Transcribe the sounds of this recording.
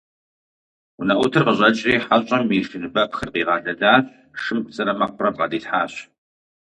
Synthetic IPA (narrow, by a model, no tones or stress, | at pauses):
ʊnɐʔʷʊtʰɨrqəʑʷʼɐt͡ʃʼriːħaɕʼɐmirfɨnɨbɐpxɨrqiːʁɑːɮɐdaː | ʂɨmkʷt͡sʼɨɾɐmɐq̚pʰʼrɐbqɑ̰diːɬħaːɕ